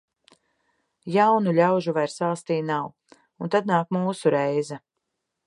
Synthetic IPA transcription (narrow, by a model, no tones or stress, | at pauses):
jawnuʎʲawʒuvajɾsaːst̪iːnaw | unt̪ad̪̚naːkmuːsuɾɛjzɛ